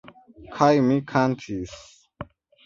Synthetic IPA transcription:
kʰajmikʰant̪ʰis

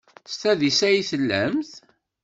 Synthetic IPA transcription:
st̪æðisæjiθəlːæ̰mθ

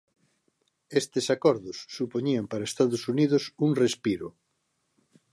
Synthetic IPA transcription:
est̪esakɔɾðʊsːupoɲiampaɾaest̪aðʊsuniðosuŋrespiɾʊ

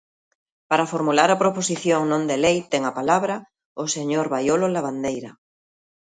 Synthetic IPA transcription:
paɾafoɾmulaɾɐpɾoposiθjoŋnõnd̪elejt̪ɛŋɐpalaβɾɐ | oseɲoɾβajololaβ̞and̪ejɾɐ

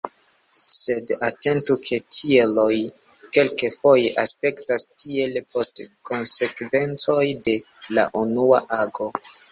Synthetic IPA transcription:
se̞date̞ntukʰe̞tʰielo̞j | ke̞lkefo̞je̞ʔaspe̞ktastʰielpo̞stko̞nse̞kve̞nt͡so̞jde̞ | la̰ʔunuaʔaɡo̞

